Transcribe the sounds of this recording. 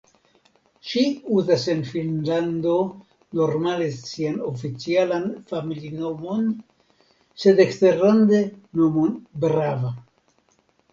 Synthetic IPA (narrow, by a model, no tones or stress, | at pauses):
ʃiuzasenfinland̪o | no̞ɾmale̞sianofit͡sialanfamilino̞mo̞n | se̞d̪ekste̞ɾland̪eno̞monbɾava